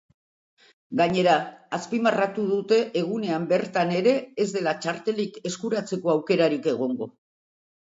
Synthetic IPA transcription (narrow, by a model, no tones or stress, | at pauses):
ɡaɲe̞ɾaːspimarat̪uð̞ut̪e̞ʔeɣ̞une̞ambe̞ɾt̪ane̞ɾe̞ːzd̪e̞lat͡ʃaɾt̪e̞like̞skuɾat͡se̞ko̞awke̞ɾaɾike̞ɣ̞o̞ŋɡo̞